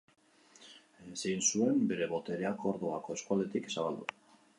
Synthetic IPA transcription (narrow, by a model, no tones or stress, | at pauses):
esejnsue̞mbe̞ɾe̞βo̞t̪e̞ɾe̞ako̞ɾðo̞ako̞e̞skuale̞t̪iksaβ̞ald̪ṵ